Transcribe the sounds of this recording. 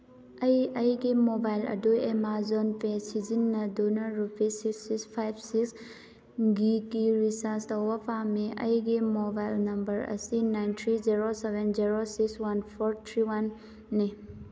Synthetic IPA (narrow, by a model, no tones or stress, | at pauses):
ɐjɐjɡemobajlɐ̰duemazonpesid͡ʒinːɐd̪unɐɾupesiksikspʰajbsiks | ɡikiɾisast̪ɔwɐfamẽʔɐ̰jɡemobajlnɐmbəɾɐ̰sinajnt̪ʰɾiziɾoseʋenziɾosikswɐnpʰɔɾt̪ʰɾiwɐnː | e